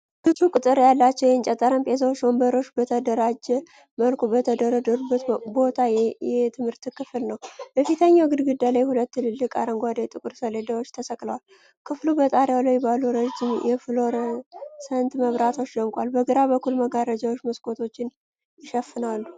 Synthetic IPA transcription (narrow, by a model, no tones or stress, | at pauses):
kɨt̪ukʼɨt̪ʼɨɾjalːat͡ʃːɛwjɛnt͡ʃʼɛt̪ʼːəɾəmpʰʼes̬awot͡ʃːwmbəɾoʃbət̪ʰəd̪əɾad͡ʒɛ | məlkʰʼubət̪ʰəd̪əɾəd̪əɾubːət̪bo̞t̪ʰajjɛt̪ʰɨmhɨɾt̪kʰɨflnəwbəfit̪ʰəɲːawɡɨd̪ɡɨd̪ːalajhulət̪ːɨlɨlːɨkʼaɾəŋɡʷad̪ajt̪ʼɨkʼɨɾsəled̪awo̞t͡ʃːt̪ʰəsəkʼləwal | kʰɨflubət̪ʼaɾjawləjbaluɾəd͡ʒɪmjɛfɨlo̞ɾsənt̪məβɾat̪ʰo̞t͡ʃːd̪əmkʷʼalbəɡɨɾabəkʰːulməɡaɾəd͡ʒawot͡ʃːmɨskʼo̞t̪ʰo̞t͡ʃːɪn | jɪʃəfːɨnalːu